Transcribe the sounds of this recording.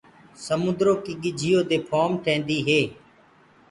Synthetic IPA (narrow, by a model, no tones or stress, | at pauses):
səmʊ̃nd̪ɾoːkiːɠɪd͡ʒʱijoːd̪eːpʰoːmʈʰẽːnd̪iːɦeː